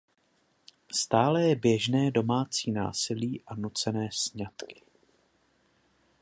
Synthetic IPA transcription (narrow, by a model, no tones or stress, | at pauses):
st̪aːlɛjɛbjɛʒnɛːdo̞maːt͡siːna̰ːsɪliːʔanut͡sɛnɛːsɲat̪kɪ̥